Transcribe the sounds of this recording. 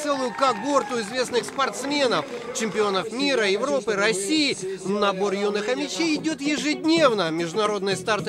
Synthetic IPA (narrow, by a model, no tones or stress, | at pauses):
sɛlˠʊjʊkaɡo̞rt̪ʊɪzvʲe̞snɨxspɐrt̪smʲe̞nəf | t͡ɕɪmʲpʲɪo̞nəfmʲiɾəjɪvɾo̞pɨɾɐsʲijɪnɐbo̞rjunɨxəmʲɪt͡ɕejɪdʲo̞t̪jɪʐɨdʲnʲe̞vnəmʲɪʐd̪ʊnɐɾo̞d̪nɨjəst̪art̪